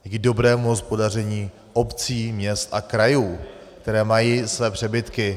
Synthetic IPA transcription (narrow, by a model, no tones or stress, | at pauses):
ɡdo̞bɾɛːmuɦo̞spo̞dar̝ɛɲiː | ʔo̞pt͡siːmɲɛst̪ʔakɾajuːk̚t̪ɛɾɛːmajiːsvɛːpr̝̥ɛbɪt̪kɪ